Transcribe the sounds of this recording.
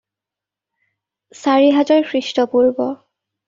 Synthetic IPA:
saɹiɦazɔɹkʰɹistɔpuɹbɔ

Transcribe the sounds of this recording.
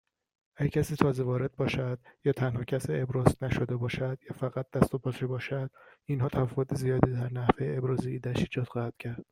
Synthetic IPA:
ʔæɟæcʰæsiːt̪ʰɒːze̞vɒːɾe̞d̪̚bɒːʃæd̪̥jɒːt̪ʰænhɒːcʰæsiːebɾɒːznæʃod̪ebɒːʃæd̪̥jɒːfæɣæt̪̚d̪̥æst̪opʰɒːebɒːʃæd̪̥inɦɒːt̪ʰæfvot̪ʰezijɒːd̪iːd̪æɾnæhvejeebɾɒːziiːd̪æʃiːd͡ʒɒːd̪̥xɒːhæd̪̥cʰæɾd̪̥

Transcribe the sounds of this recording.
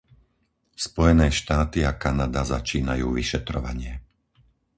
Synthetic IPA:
spɔjɛnɛːʃt̪aːt̪iakanad̪azat͡ʃiːna̰juːʋiʃɛt̪ɾɔ̰ʋa̰ɲɪɛ

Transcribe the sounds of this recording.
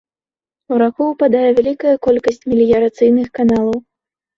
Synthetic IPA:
uɾakuwpad̪ajɛvʲalʲikɐjɐkɔlʲkɐsʲt͡sʲmʲilʲijɐɾat̪sɨjnɨxkanalˠɐw

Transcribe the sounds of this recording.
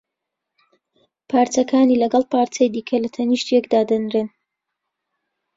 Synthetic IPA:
pʰaːɾt͡sɐkʰaːniːlɐɡɑlˠpʰaːɾt͡sɐjd̪iːkʰɐlɐt̪ʰɐniʃt̪jɛkd̪aːd̪ɐnɾen

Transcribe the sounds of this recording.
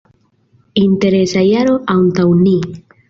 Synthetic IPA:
inteɾesajaɾo̞ʔantawni

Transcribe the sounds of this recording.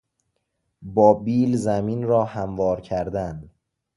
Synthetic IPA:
bɒːbiːlzæmiːnɾɒːhæmvɒːɾcʰæɾd̪æn

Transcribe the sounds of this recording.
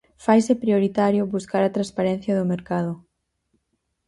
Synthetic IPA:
fajsɪpɾioɾit̪aɾjʊβuskaɾɐt̪ɾaspaɾɛn̟θjɐðʊmeɾkaðʊ

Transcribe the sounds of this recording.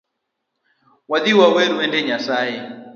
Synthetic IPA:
waðiwawɛɾuɛndɛɲasajɛ

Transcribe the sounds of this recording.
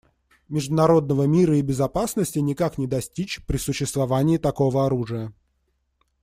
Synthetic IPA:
mʲɪʐd̪ʊnɐɾo̞d̪nəvəmʲiɾəɪbʲɪzɐpasnəsʲtʲɪnʲɪkaknʲɪd̪ɐsʲtʲit͡ɕpɾʲɪsʊɕːɪst̪vɐvanʲɪːt̪ɐko̞vəɐɾuʐɨjə

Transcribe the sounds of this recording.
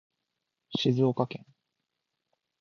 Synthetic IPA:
ɕizɨokakẽ̞ŋ

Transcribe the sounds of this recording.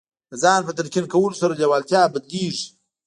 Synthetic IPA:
d̪əzɑːnpət̪aɾkʲinkawəlosaɾaljawɑːlt̪jɑːbəd̪liːʐ

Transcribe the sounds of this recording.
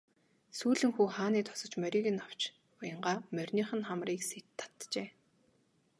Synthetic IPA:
suːɮɘ̆ŋxuːχaːniːt̪ʰɔ̥sɞ̆t͡ɕmœɾʲiːɣɘ̆naw̥t͡ɕ | pajə̆ɴɢaːmœrʲniːχə̆nχamriːkset̪ʰːḁt̪t͡ɕeː

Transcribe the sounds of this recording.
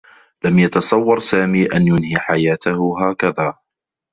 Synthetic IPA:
lamjɑt̪ɑsˤɑwːɑɾˤsaːmiːʔanjʊnhiːħajaːt̪ahʊɦaːkaðaː

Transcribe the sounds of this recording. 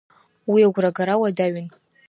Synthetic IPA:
wiaɡʷraɡaɾawadaɥɪn

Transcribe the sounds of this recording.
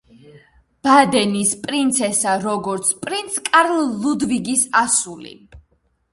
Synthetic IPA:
b̥ad̪ɛnispʼɾint̪sʰɛsaɾɔɡɔɾt̪sʰpʼɾint̪sʰkʼaɾlːud̪viɡisasulḭ

